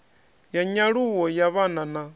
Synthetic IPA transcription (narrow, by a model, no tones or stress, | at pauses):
jaɲaɺuwɔjaβanana